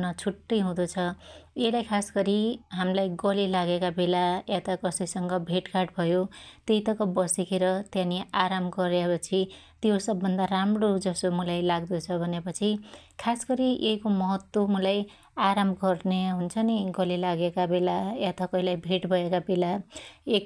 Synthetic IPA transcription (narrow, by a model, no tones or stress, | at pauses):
nʌt͡sʰuʈːʌjɦũd̪ot͡sʰʌjelajkʰasɡʌɾiɦamlajɡʌlilaɡekabelajat̪ʌkʌsʌjsʌŋɡʌbʱeʈkaʈbʱʌjot̪eit̪ʌkʌbʌsikeɾʌt̪jãniʔaɾamɡʌɾepʌt͡sʰi | t̪josʌbːʌnd̪aramrod͡zʌsomulajlaɡd̪ut͡sʰʌbʱʌnepʌt͡sʰikʰasɡʌɾiejkomʌɦʌt̪womulaj | aɾamɡʌrneɦunt͡sʰʌniɡʌlilaɡekabelajat̪ʌkʌɦilajbʱeʈbʱʌekabelaek